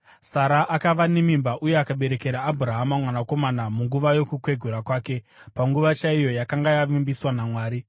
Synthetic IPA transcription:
saɾaʔakaʋanemimbaʔuje̞akaɓe̞ɾe̞ke̞ɾaːbʱuɾaɦamamwanako̞manamuŋɡuʋajo̞kukwe̞ɡʱuɾakwaːke̞ | paŋɡuʋat͡ʃaijo̞jakaŋɡajaʋimbiswanamwaːɾi

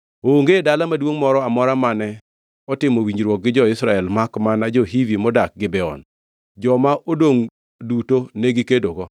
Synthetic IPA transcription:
oŋɡedalamadwoŋmɔɾɔamɔɾamanɛ | ɔtɪmowiɲɾwɔk̚ɡɪd͡ʒɔɪsɾaɛlmakmanad͡ʒɔɦivimɔdak̚ɡɪbɛɔ̰n | d͡ʒɔmaʔodoŋ | dutoneɡɪkedoɡɔ

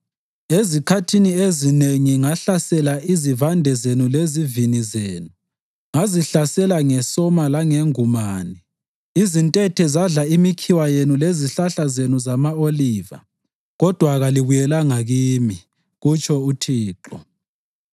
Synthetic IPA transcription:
ezikʰatʰiniezineŋiŋaɬasɛlaʔizivandʱɛzenulezivinizeːnu | ŋaziɬasɛlaŋɛsɔmalaŋeŋumaːnɛ | izintʼɛtʰɛzaɮaimikʰiwajenuleziɬaɬazenuzamaoliːva̰ | ɣɔd̥ʱwaɣaliβujɛlaŋaɣiːmi | ɣut͡ʃʼɔutʰiːǃɔ̰

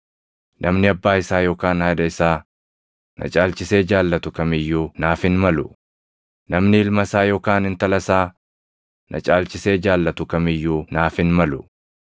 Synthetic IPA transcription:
nʔɐmnɪɐbːaːɪsaːjoːkaːnhɐd̪ɐɪsaː | nɐ̰t͡ʃʼaːlt͡ʃɪse̞ːd͡ʒaːlːɐt̪ʊkɐmɪjːuːnaːfɪnmɐlʊ | nɐmnɪɪlmɐsaːjoːkaːnɪnt̪ɐlɐsaː | nɐ̰t͡ʃʼaːlt͡ʃɪse̞ːd͡ʒaːlːɐt̪ʊkɐmɪjːuːnaːfɪnmɐlʊ

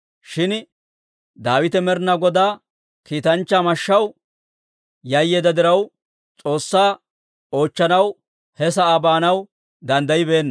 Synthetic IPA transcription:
ʃɪn | d̪aːwɪt̪ɛmɛɾnɐɡɔd̪aː | kiːt̪ɐnt͡ʃːamɐʃːɐw | jɐjːeːd̪ɐd̪ɪɾɐw | t͡sʼo̞ːsːaː | o̞ːt͡ʃːɐnɐw | hɛsɐaːbaːnɐw | d̪ɐnd̪ɐjɪbe̞ːnːɐ

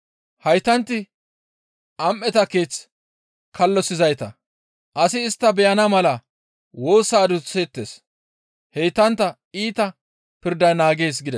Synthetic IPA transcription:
hɐjt̪ːɐnt̪ːɪ | ʔɐmʔɛt̪ɐkeːt͡s | kʰɐlːɔsɪzɐjt̪ɐ | ʔɐsɪːst̪ːɐbɛjɐnɐmɐlɐ | wo̞ːsaːd̪ʊset̪ːes | hɛjt̪ːɐnt̪ːɐ | iːt̪ɐ | pɪɾd̪ɐjnaːɡe̞ːs̬ɡɪd̪ɛ

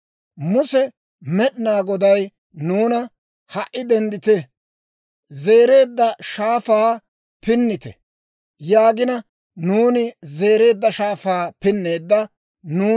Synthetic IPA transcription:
mʊsɛ | mɛɗɪnaːɡɔd̪ɐj | nuːnɐ | hɐʔʔɪd̪ɛnd̪ɪt̪ɛ | ze̞ːɾe̞ːd̪ːɐʃaːfaː | pɪnːɪt̪ɛ̰ | jaːɡɪnɐ | nuːnɪze̞ːɾe̞ːd̪ːɐʃaːfaːpɪnːe̞ːd̪ːɐ | nuː

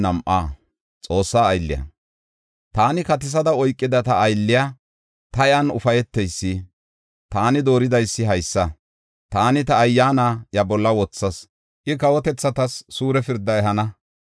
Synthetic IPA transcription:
nɐmʔaː | t͡sʼo̞ːsːaːjlːɪ̰jɐ̰ | t̪aːnɪkɐt̪ɪs̬ɐd̪ɐɔjkʼːɪd̪ɐt̪ɐːjlːɪjaː | t̪ɐjɐnʊ̰fɐjɛt̪ːɛjsːɪ | t̪aːnɪd̪o̞ːɾɪd̪ɐjsːɪɦɐjsːɐ | t̪aːnɪt̪ɐːjːaːnajɐbɔlːɐwɔt͡sːɐs | ʔɪkɐwɔt̪ɛt͡sːɐt̪ɐsːuːɾɛfɪɾd̪ːɐɛɦɐnɐ

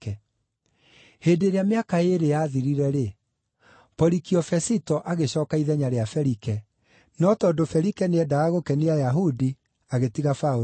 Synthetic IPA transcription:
ɛ | heːndeːɾeameakaeɾejaðiɾiɾɛɾe | pɔɾikiɔfɛsitɔʔaɣeɕɔːkaiðɛɲaɾeafɛɾikɛ | nɔtɔːdofɛɾikɛneɛdaaɣokɛneajaɦudi | aɣetiɣafao

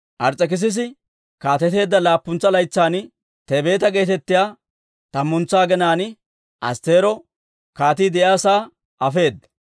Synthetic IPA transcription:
ʔɐɾt͡sʼːɛk̬ɪs̬ɪs̬ɪ | kaːt̪ɛt̪e̞ːd̪ːɐlaːpːʊnt͡sːɐlɐjt͡sːaːnɪ | t̪ebe̞ːt̪ɐɡe̞ːt̪ɛt̪ːɪjaː | t̪ɐmːʊnt͡sːaːɡɛnaːnɪ | ʔɐ̰st̪e̞ːɾɔ | kaːt̪iːd̪ɛjaːsaː | ʔɐfe̞ːd̪ːɐ̥

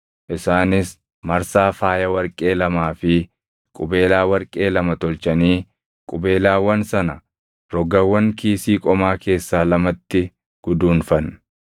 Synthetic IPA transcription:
ʔɪsaːnɪs | mɐɾsaːfaːjɐwɐɾkʼeːlɐmaːfɪ | kʼʊbeːlaːwɐɾkʼe̞ːlɐmɐt̪ɔlt͡ʃɐniː | kʼʊbe̞ːlaːwɐnsɐnɐ | ɾɔɡɐwɐŋkiːsiːkʼɔmaːke̞ːsːaːlɐmɐt̪ːɪ | ɡ̥ʊd̪uːnfɐn

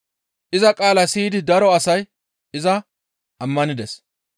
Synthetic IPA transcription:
ʔɪzɐkʼaːlɐsiːd̪ɪd̪ɐɾɔɐsɐj | ɪzɐ | ɐmːɐnɪd̪ɛs

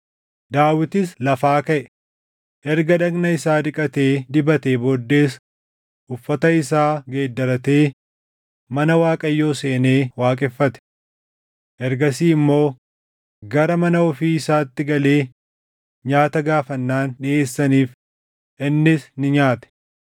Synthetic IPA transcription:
d̪aːwɪt̪ɪslɐfaːkɐʔɛ | ʔɛɾɡɐᶑɐɡnɐɪsaːᶑ̪ɪkʼɐt̪e̞ːd̪ɪbɐt̪eboːd̪ːe̞ːs | ʔʊfːɐt̪ɐɪsaːɡe̞ːd̪ːɐɾɐt̪e̞ː | mɐnɐwaːkʼɐjːo̞ːse̞ːne̞ːwaːkʼɛfːɐt̪ɛ̥ | ʔɛɾɡɐsiːɪmːo̞ː | ɡɐɾɐmɐnɐɔfiːɪsaːt̪ːɪɡɐle̞ː | ɲaːt̪ɐɡaːfɐnːaːnᶑɪʔe̞ːsːɐniːf | ʔɪnːɪsnɪɲaːt̪ɛ̥

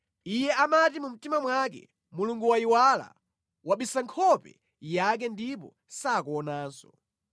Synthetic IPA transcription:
ijɛamatimum̩timamwak̬ɛ̰ | muluŋɡuwaiwala̰ | waɓisaŋkʰɔpɛ̰ | jak̬ɛndipɔ̰ | saːkuːnaːnsɔ

